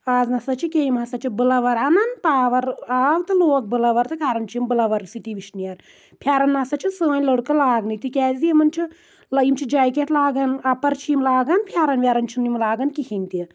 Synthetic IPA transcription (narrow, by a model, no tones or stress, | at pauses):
aːznɐsɐt͡ʃʰikʲeimɐsɐt͡ʃʰibɨlɐʋɐɾɐnɐnpaːʋɐɾaːʋt̪ɨloːk̚bɨlɐʋɐɾt̪ɨkaːɾɐnt͡ʃʰimbɨlɐʋɐɾsit̪iʋiʃnijɐɾ | pʰjaːɾɐnːasɐt͡ʃʰinsɨɐnʲlɐɽkɐlaːɡnɨt̪ikʲaːzʲiɐmɐnt͡ʃʰi | lɐjimt͡ʃʰid͡ʒaːjkʲet̪laːɡɐnɐpɐɾt͡ʃʰiːmlaːɡɐnpʰjaːɾɐnʋʲaːɾɐnt͡ʃʰinimlaːɡɐnkihinʲt̪i